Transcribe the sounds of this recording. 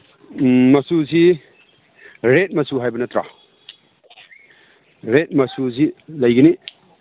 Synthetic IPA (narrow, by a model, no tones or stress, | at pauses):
mɐsusi | ɾet̚mɐsuɦajbɐnɐt̪ɾa̰ | ɾet̚mɐsuzilɐjɡini